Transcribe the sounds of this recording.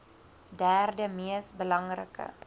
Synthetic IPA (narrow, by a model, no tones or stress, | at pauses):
dæːrdəmiəsbəlɐŋrə̰kə̰